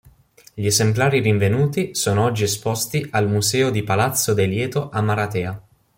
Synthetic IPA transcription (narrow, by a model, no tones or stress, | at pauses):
ʎiezemplaːɾiriɱvenuːt̪isoːnoɔd͡ʒːiespɔst̪ialmuzɛːod̪ipalat̪sːod̪eljɛːt̪oʔamːaɾat̪ɛːa